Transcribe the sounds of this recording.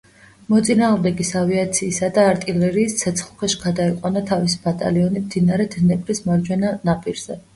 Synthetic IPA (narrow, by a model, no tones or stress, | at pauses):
mɔt̪sʼinaːʁmd̪ɛɡisaviat̪sʰiːsad̪aːɾt̪ʼilɛɾiːst̪sʰɛt̪sʰχlˠkʰɛʃi̥ɡad̪aiqʼwanat̪ʰavisi̥bat̪ʼa̰liɔnimd̪̥inaɾɛd̪ʰnɛpʼɾismaɾd͡ʒwɛnanapʼiɾz̥ɛ